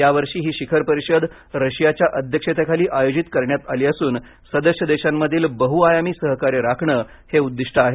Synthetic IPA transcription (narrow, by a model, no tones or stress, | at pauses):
jaʋəɾʂiːɦiːɕikʰəɾpəɾiɕəd̪ | ɾəɕjat͡ɕjaʔəd̪ʱjəkʂet̪ekʰaliːʔajod͡ʑit̪kəɾɳjat̪aliːəsuːn | səd̪əʂəd̪eɕamːəd̪ʱiːlbəɦuajamiːsəɦkaɾeɾakʰɳə | heud̪ːiʂʈʰəaɦe